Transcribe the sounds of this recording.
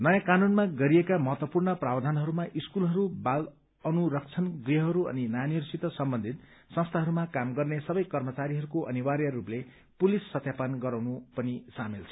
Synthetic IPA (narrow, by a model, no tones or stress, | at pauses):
nʌjãkanunmaɡʌɾiekamʌɦʌt̪wʌpurnʌprabd̪ʱanɦʌɾumaʔiskulɦʌɾubal | ʌnuɾʌk̚t͡sʰʌnɡriɦʌɦʌɾuʌ̰ninʌjanirsit̪ʌsʌmbʌnd̪ʱit̪sʌ̃nst̪ʰaɦʌɾumakamɡʌrnesʌbʌjkʌrmʌt͡saɾiɦʌɾukoʔʌniwaɾjʌruple | pulisːʌt̪japanɡʌɾawnupʌnisamilt͡sʰʌ̥